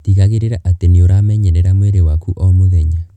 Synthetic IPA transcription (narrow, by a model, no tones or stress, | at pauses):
tiɣaɣeɾeɾaʔateneoɾamɛɲɛɾɛɾamwɛɾewakuʔɔmuðɛɲa